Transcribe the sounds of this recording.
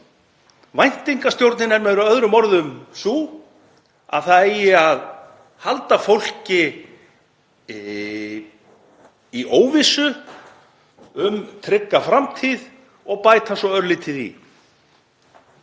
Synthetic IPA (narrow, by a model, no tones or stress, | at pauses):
vajn̥t̪iŋkast̪jowɾt̪nɪnɛɾmɛðɾʏœðɾʏmɔɾðʏmsuː | a̰ðθaðejɪað | halt̪afowl̥cɪ | iʔoːwvɪsʏ | ʏmt̪ʰɾɪkːafɾamt̪ʰið | ɔɣpaːjt̪ʰasɔœɾlɪt̪ʰɪðḭ